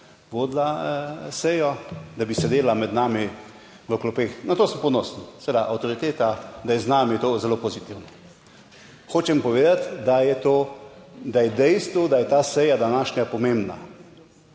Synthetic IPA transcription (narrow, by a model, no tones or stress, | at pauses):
ʋoːd̪lasɛjɔd̪abisɛd̪eːlamɛd̪naːmi | ʋəklɔpeːxnat̪oːsmpɔnɔːsnisɛed̪aʔawt̪oɾit̪eːt̪ad̪ajɛznaːmit̪oːzɛloːpozit̪iwnɔ | xoːt͡ʃɛmpɔʋeːd̪at̪d̪ajɛt̪oːd̪ajɛd̪ɛjst̪ʋud̪ajɛt̪aːsɛjad̪anaːʃɲapɔmembna̰